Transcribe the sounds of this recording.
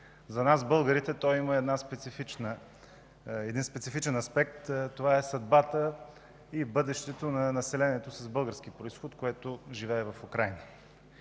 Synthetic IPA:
zɐnasbɤlˠɡəɾit̪ɛt̪ɔjiməɛd̪naspɛt̪sifit͡ʃnə | ɛd̪inspɛt̪sifit͡ʃɛnɐspɛk̚t̪t̪ːovaɛsɐd̪bat̪ə | ibɤd̪ɛʃt̪ɛt̪onɐnɐsɛlɛniɛt̪osəzbɤlˠɡəɾskipɾoisxot̪koɛt̪oʒivɛːvɐfukɾajnə

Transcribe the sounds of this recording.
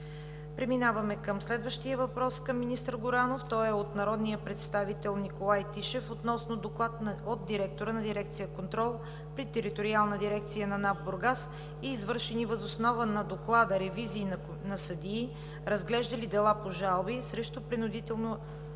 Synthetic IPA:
pɾɛminavɐmɛkəmslɛd̪vəʃt̪ijəvɐpɾɔskəmːinist̪əɾɡʊɾanoft̪ɔɛot̪nɐɾɔd̪nijəpɾɛt̪st̪avit̪ɛlˠnikolˠajt̪iʃɛfot̪nɔsnod̪oklˠat̪od̪̚d̪iɾɛk̚t̪oɾənɐd̪iɾɛk̚t̪sijəkont̪ɾɔlˠ | pɾit̪ɛɾit̪oɾialˠnəd̪iɾɛk̚t̪sijənɐnabboɾɡas | iːzvɤɾʃɛnivəzosnɔvənɐd̪oklˠad̪əɾɛviziːn | nɐsəd̪iː | ɾəzɡlɛʒd̪əlid̪ɛlˠapoʒalˠbisɾɛʃt̪opɾinʊd̪it̪ɛlˠno

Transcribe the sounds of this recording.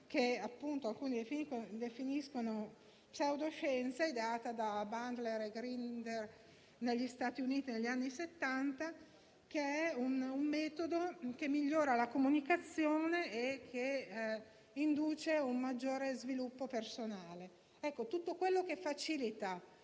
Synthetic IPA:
keapːunt̪oalkuːnid̪efiiod̪efiniskono | psawd̪oʃɛnt̪said̪eaːt̪ad̪aband̪leɾeɡɾind̪er | neʎːist̪aːt̪iuniːt̪ineʎːanːiset̪ːant̪a | keɛunumːɛːt̪od̪ok̟emːiʎːoːɾalakomunikat̪sːjoːneekʰːe | ind̪uːt͡ʃeumːad͡ʒːoːɾezvilupːopersonaːle | ɛkːot̪ut̪ːokwelːokefːat͡ʃilit̪a

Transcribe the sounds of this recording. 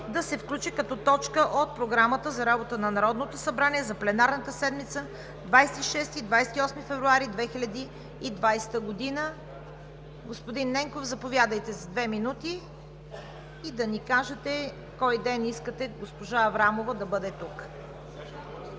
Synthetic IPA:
d̪ɐsɛfklʲut͡ʃikɐt̪ɔt̪ɔt͡ʃkəʔot̪̚pɾoɡɾamət̪əzɐɾabot̪ənɐnɐɾɔd̪not̪osɐbɾaniɛzɐplɛnaɾnət̪əsɛd̪mit̪sə | d̪vajsɛt̪iʃɛst̪id̪vajsɛ̥t̪iɔsmifɛvɾuaɾid̪vɛxilʲɐd̪iː | d̪vajsɛ̥t̪əɡod̪inə | ɡospod̪inːɛŋkofzɐpovʲjad̪əjt̪ɛzɐd̪vɛminut̪i | d̪ɐnikaʒɛt̪ɛ | kɔjd̪ɛniskət̪ɛɡospoʒaɐvɾamovəd̪ɐbɤd̪ɛt̪uk

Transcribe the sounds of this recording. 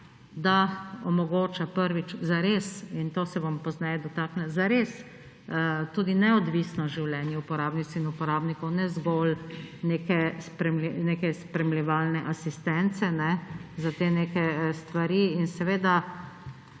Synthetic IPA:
d̪aɔmɔɡoːt͡ʃapəɾʋit͡ʃzaɾesint̪oːsɛʋɔmpɔznɛjɛd̪ɔt̪aːknɛzaɾeːs | t̪uːd̪inɛɔd̪ʋisnɔʒiwlɛːnjɛupɔɾaːbnit͡s̪inupɔɾaːbnikɔwnɛzɡolneːkɛspɾɛmlɛneːkɛspɾɛmlɛʋaːlnɛʔasist̪ɛnt̪sɛnɛzat̪eːneːkɛst̪ʋaɾiːnsɛʋeːd̪a

